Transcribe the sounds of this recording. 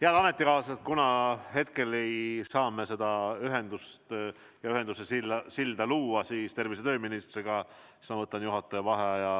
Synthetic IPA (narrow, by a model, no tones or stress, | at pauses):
heɑlɑme̞t̪ːˑikɑːset̪̚kunɑhe̞t̪̚ke̞le̞jsɑːme̞se̞d̪̥ɑyɦe̞nd̪ust̪ | jɑyɦe̞nd̪̥usesilːɑsild̪̥ɑluːɑsiːst̪e̞rvise̞t̪ø̞ːminist̪riɡ̥ɑ | i̥smɑvɤt̪ːˑɑnjuɦɑt̪ːˑɑjɑvɑɦejɑ